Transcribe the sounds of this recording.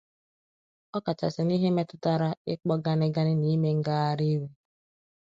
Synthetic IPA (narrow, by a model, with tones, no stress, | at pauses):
ɔ˦ka˨t͡ʃa̰˨sɪ˨ni˦ɦe˦me˦tʊ˦ta˦ɾa˦ɪ˦k͡pɔ˦ɡa˦nɪ˦ɡa˦nɪ˦ni˦me˦ŋ̩˦ɡa˦a˦ɾi˦we˦